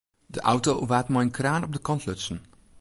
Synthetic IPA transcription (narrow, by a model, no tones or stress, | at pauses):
dəʔʌwtoʋaːtmɛjənkraːnɔb̚dəkɑntlɵtsən